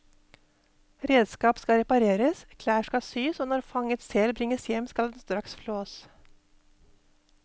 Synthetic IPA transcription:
ɾeːd̪skɑːpskɑɾɛpɑɾeːɾəskʰlæːʂkɑsyːsoːnɔɾfɑŋət̪sɛlbɾɪŋəsjɛmːskɑld̪ɛnst̪ɾɑksfloːs

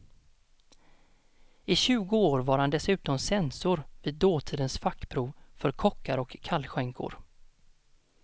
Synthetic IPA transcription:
ɪɕʉ̟ːɡʊoːɾvaɾhand̪ɛsʉ̟ːt̪ɔmsɛnsʊɾviːd̪ːoːt̪ʰiːd̪ənsfakːpʰɾuːvfœɾkʰɔkʰːaɾɔkʰːalːɧɛŋkʰʊ̰ɾ

